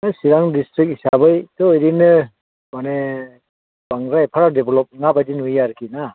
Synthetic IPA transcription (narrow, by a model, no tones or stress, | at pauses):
nɯsiɾaŋdistɾik̚isabɯjtɯɔjɾinɯ | mane | baŋɾajpʰaɾadebelɔp̚ŋabadinujjaɾkʰina